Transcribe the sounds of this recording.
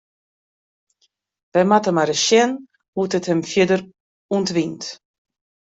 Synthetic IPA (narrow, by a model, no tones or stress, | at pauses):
ʋɛmatəmaɾəʃjɛn | hutəthəmfjɪdəɾ | untʋint